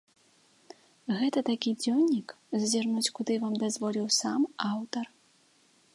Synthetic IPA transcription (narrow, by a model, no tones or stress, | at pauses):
ɣɛt̪ɐt̪akʲid͡zʲɔnʲːik | zzʲarnut͡sʲkud̪ɨvamd̪azvɔlʲiwsamawt̪ɐr